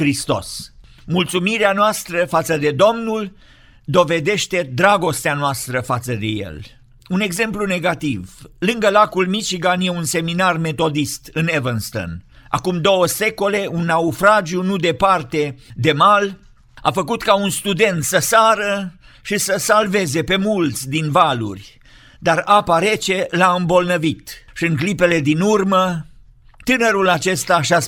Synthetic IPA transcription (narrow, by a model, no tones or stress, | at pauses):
kɾist̪o̞̰s | mult̪sumiɾeanoast̪ɾəfat̪səd̪e̞d̪o̞mnul | d̪o̞ve̞d̪e̞ʃt̪ed̪ɾaɡo̞st̪eanoast̪ɾəfat̪səd̪e̞̰jḛl | une̞ɡze̞mplune̞ɡat̪ivlɨŋɡəlakulmit͡ʃiɡanjeunse̞minarme̞t̪o̞d̪ist̪ɨnevənst̪o̰na̰kumd̪o̞wəse̞ko̞le̞unːaufɾad͡ʒiunud̪e̞part̪e̞d̪e̞mal | a̰fəkut̪kaunst̪ud̪e̞nt̪səsaɾə | ʃisəsalve̞ze̞pe̞mult̪sʲd̪invalṵrʲ | d̪aɾapaɾet͡ʃe̞laɨmbo̞lnəvit̪ʃiɨŋklipe̞le̞d̪inurmə | t̪ɨnəɾulat͡ʃe̞st̪aʃa